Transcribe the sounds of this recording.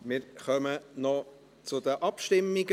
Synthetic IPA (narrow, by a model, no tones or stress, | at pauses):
mɪːɾχœmənɔ | t͡sʊdəʔɑpʃtɪmːɪɡ